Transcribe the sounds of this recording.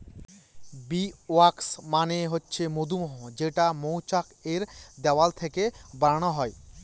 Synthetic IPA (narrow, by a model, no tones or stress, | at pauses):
bioaksmaneɦotːɕʰemod̪umoɦod͡ʑeʈamowt͡ɕakeɾd̪ɛwalt̪ʰekebaɾañoɦɔe